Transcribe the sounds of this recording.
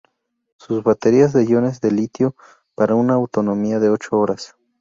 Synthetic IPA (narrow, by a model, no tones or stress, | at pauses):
suzβat̪e̞ɾiazðeʝo̞ne̞zðe̞lit̪jo | paɾaunaːwt̪o̞no̞miaðe̞o̞t͡ʃoo̞ɾas